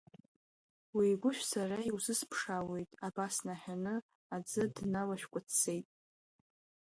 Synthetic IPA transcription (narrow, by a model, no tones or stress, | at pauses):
wiːɡʷʊʃᶣsaraiwzɨspʰʂawe̞jtʼabasnaħʲᶣanɨ | ad͡zɨdnalaʃᶣkʷʼʊt͡sʰːe̞jtʼ